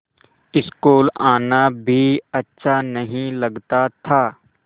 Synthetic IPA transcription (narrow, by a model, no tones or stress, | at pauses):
ɪskoːlaːnabʱiɐtːʃʰanɐɦĩlɐɡt̪at̪ʰaː